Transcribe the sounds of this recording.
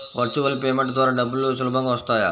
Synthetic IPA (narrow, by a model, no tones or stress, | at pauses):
ʋəɾt͡ʃuʋəlpemẽɳʈd̪ʋaɾaɖəbəljusulbʱãŋɡʋəst̪aja̰